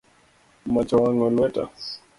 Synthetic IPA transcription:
mat͡ʃɔwaŋɡɔlwɛta̰

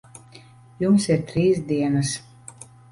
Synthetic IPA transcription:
jumsiɾt̪ɾiːsd̪iɛnas

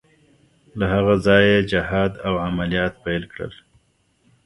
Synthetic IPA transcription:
laɦaɣazɑjed͡ʒɪhɑd̪awʕamalijɑt̪pejlkɽə̰l

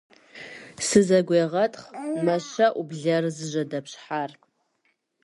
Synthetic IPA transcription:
sɨzɐɡʷeːʁɐtʰʼχmɐʃɐʔubɮɐrzɨʒʷɐdɐpɕħar

